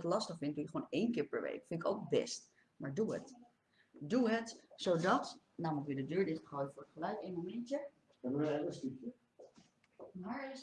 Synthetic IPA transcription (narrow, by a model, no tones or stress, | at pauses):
ətlɑstəχfɪn̚dujəχʋonejnkɪːɹpɛɹʋḛjkfɪntɪko̰wk̚bɛ̰st | maːɹduə̰t | duɦətsowdɑt | naːmələkədədøːɹdɪχəχɔwdəfʊːɹətχəlœɥtejnmomɛntjə | ɛbəeəstɪkə | ma